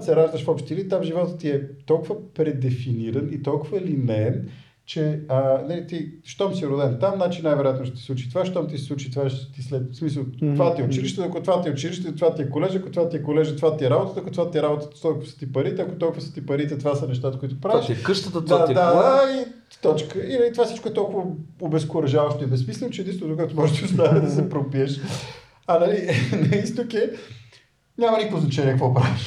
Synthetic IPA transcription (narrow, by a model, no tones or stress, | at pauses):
sɛɾaʒd̪əʃfɔpʃt̪ɛilit̪amʒivɔt̪əːiɛt̪ɔlˠkʊvəpɾɛd̪ɛfiniɾənit̪ɔlˠkʊvəlinɛn | t͡ʃɛənəlit̪iʃt̪ɔmsiɾʊd̪ɛmt̪amnat͡ʃinajvɛɾojat̪noʃt̪et̪islˠut͡ʃi̥t̪ovaʃt̪ɔmt̪isɛ̥sˠut͡ʃit̪vaʃt̪islɛsmisəlˠt̪vat̪iot͡ʃiliʃt̪ɛɐkot̪vat̪iot͡ʃiliʃt̪ɛnt̪ovat̪iɛkolɛʒɐkot̪vat̪iɛkolɛʒt̪ovat̪iɛɾabot̪ət̪ɐkʊt̪ovat̪iɛɾabot̪ə̥t̪t̪ɔlˠkʊvə̥sə̥t̪ipɐɾit̪ɛɐkot̪ɔlˠkʊvəsə̥t̪ipɐɾit̪ɛt̪ovasənɛʃt̪at̪əkʊit̪ʊpɾaviʃkəʃt̪ət̪ətd̪ad̪ad̪ai | t̪ɔt͡ʃkəinɐlit̪ovasit͡ʃkoɛt̪ɔlˠkʊvəobɛskʊɾɐʒavɐʃt̪oɛbɛsmislʲɛnˠot͡ʃɛd̪inst̪ookɔɛt̪omɔʒɛt̪iʊst̪anɛd̪ɐsɛpɾopiəʃ | ɐnɐlinɐist̪t̪okʲɛ | nʲamənit̪voznɐt͡ʃanʲiɛkəkvɔpɾaviʃ